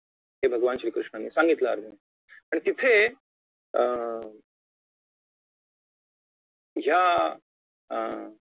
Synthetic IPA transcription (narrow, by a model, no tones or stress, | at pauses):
ɦebʱəɡʋanɕɾiːkɾuʂɳaniːsaŋɡit̪la̰ːɾd̪ʱəne | pəɳt̪it̪ʰe | ɦja